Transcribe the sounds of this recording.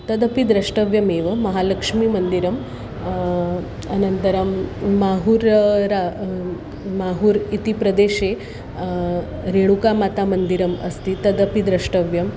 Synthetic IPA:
t̪ɐd̪ɐpid̪ɾɐʂʈɐʋjɐmeːʋɐmɐɦaːlɐkʂmiːmɐnd̪iɾɐm | ɐnɐnt̪ɐɾɐmːaːɦuːɾɾa | maːɦuːɾit̪ipɾɐd̪eːʃe | ɾeɽ̃ukamaːt̪amɐnd̪iɾɐmɐ̰st̪it̪ɐd̪ɐpid̪ɾɐʂʈɐʋjɐm

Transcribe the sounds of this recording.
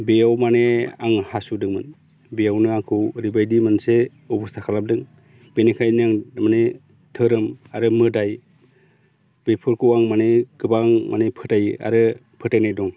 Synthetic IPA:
bejawmaneaŋhasudɯŋmɯn | bejawnɯaŋkʰɯwɾibajdimɯnse | ɔbustʰakʰalap̚dɯŋ | b̥enekʰajniaŋmane | tʰɯɾɯmaɾɯmɯdaj | b̥epʰɯɾkʰɯwaŋmaneɡɯbaŋma̰nepʰɯtaja̰ɾɯ | pʰɯtajnajdɔŋ

